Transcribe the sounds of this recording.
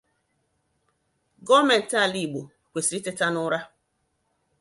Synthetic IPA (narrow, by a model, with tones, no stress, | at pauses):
ɡɔ˦me˨n̩˨ta˦˨li˨ɡ͡bo˨ | kʷe˨si˨ɾi˦te˦ta˦nʊ˦ɾa˦